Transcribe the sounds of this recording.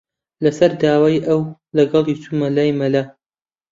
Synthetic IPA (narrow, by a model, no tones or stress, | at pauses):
lɐsɐɾd̪aːwaːjʔɐw | lɐɡɑlˠit͡suːmɐlaːjmɐla